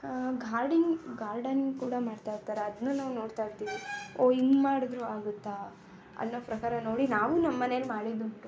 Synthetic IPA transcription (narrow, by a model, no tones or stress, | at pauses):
ɡaːɾɖiŋɡɡaːɾɖɐnkuːɽɐmaːɽt̪aːjɾt̪aːɾeɐd̪nːunaːʋno̞ːɽt̪ajɾt̪iːʋioiŋɡmaːɽud̪ɾuaːɡut̪ːa | ɐ̰nːoːpɾɐkaːɾɐno̞ːɽinaːʋunɐmːɐnelmaːɽid̪uɳʈːu